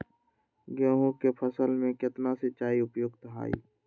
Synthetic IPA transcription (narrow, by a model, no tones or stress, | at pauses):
ɡəːɦõkepʰəsəlmẽkɪt̪nasɪt͡ʃaːiʊpjoːɡt̪əɦa̰ːḭː